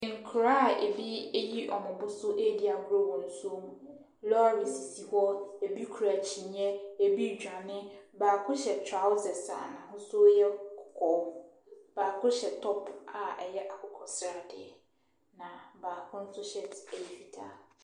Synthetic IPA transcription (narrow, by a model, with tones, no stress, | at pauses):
ŋ̩˨kʰʊ˨ɾa˦˨ḛ˨bi˦e˦ji˦ʔɔ˨mʊ̃˨bʊ˦sʊ˦ʔe˦di˦a˨ɡu˦ɾo˦wɔ̃˨n̩˦su˦o˦mũ˨ | lɔ˦ɾi˨si˨si˨hɔ˦e˨bi˦kʰu˨ɾa˨t͡ɕʰi˨n˦ɛ˦e˨bi˦˨d͡ʑᶣa˨nɪ̃˦baː˨kʰʊ˦ɕɛ˨tʰa˦ʊ˦sɛ˨sa̰˨nã˨hʊ̃˦sʊ˦jɛ˦kʰɔ̥˨kʰɔ˨˦ | b̥aː˨kʰʊ˦ɕɛ˨tʰɔ˦pʰa˨ɛ˨jɛ˦ʔa˨kʰʊ˦kʰɔ˨sɾa˨dɪ̰˨ɛ˨ | nã˨baː˨kʰʊ̃˦n̩˦sʊ˦ɕɛ˦te˨fi˨tʰa˦˨